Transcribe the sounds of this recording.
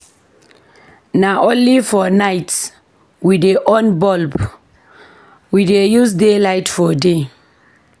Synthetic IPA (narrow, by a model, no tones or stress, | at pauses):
naʔõnlifɔnajt | wideʔɔ̃nbɔlb | widejusdelajtfɔde